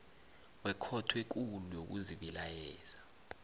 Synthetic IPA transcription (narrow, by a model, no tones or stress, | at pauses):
wɛkʰɔtʰwek̬ulujok̬ṵziɓilajɛːz̥a